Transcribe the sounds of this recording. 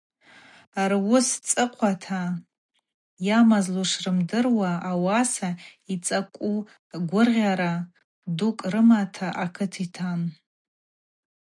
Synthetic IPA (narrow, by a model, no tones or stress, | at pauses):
arwʊst͡sʼɨqʷʰatʰa | jamazluʂrɨmdɨrwaːwasait͡sʼakʷʼu | ɡʷʊrʁʲaɾa | dukʼrɨmatʰaʔakʰɨtʰitʰam